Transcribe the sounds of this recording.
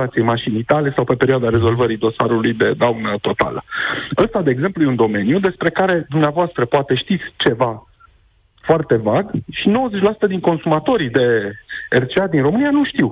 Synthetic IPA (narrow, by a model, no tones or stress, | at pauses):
at̪sijejmaʃinit̪alesawpe̞pe̞ɾioad̪aɾe̞zo̞lvəɾid̪o̞saɾulujd̪e̞d̪awnət̪o̞t̪a̰lə̰əst̪ad̪e̞ːɡzemplujeund̪o̞me̞njud̪e̞spɾe̞kaɾe̞d̪umneavoast̪ɾəpoat̪e̞ʃt̪it̪sʲt͡ʃe̞va | foart̪e̞vaɡʃino̞wəzet͡ʃʲlasu̥t̪əd̪iŋko̞nsumat̪o̞ɾid̪e̞ert͡ʃead̪inro̞mɨnijanuʃt̪iw